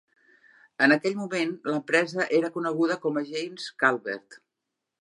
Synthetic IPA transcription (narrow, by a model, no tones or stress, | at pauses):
ənəkɛʎmumenləmpɾɛzəʔeɾəkunəɣ̞uðəkɔməʒejmskalˠβḛrt̪